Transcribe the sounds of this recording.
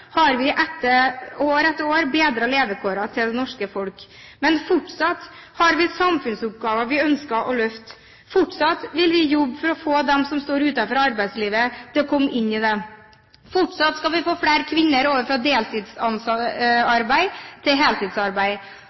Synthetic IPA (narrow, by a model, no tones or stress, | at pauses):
hɑɾʋɪʔɛt̪ːəoːɾɛt̪ːəɾoːɾbeːd̪ɾəleːʋəkʰoːɾɑt̪ʰɪld̪ɛnɔʂkəfɔlk | mɛnfʊʈʂɑt̪ːhɑɾʋɪsɑmfʉnsʊp̚ɡɑːʋɑʋɪœnskɑʔɔlœft̪ | fʊʈʂɑt̪ʋɪlʋɪjɔbːfɔɾɔfoːd̪ɛmsɔmst̪oːɾʉːt̪ɑfɔɾɑɾbæɪd̪sliːʋət̪ʰɪlɔkʰɔmːʔɪnːɪd̪ɛ | fʊʈʂɑt̪skɑlʋɪfoːfɽeːɾkʰʋɪnːəɾoːʋəfɾɑd̪eːlt̪ʰɪd̪sɑnsɑɾbæɪt̪ʰɪlɦeːlt̪ɪd̪sɑɾbæɪ